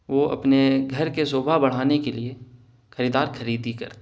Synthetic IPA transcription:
ʋoʔɐ̰pneɡʱɐɾkesoːbʱabɐɽ̤aːnekelie | xɐɾiːd̪aːɾxɐɾiːd̪ikɐ̰ɾt̪ː

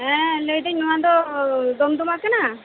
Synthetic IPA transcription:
ɛ̃ləjd̪ɛɲnɔwad̪ɔd̪ɔmd̪umakana

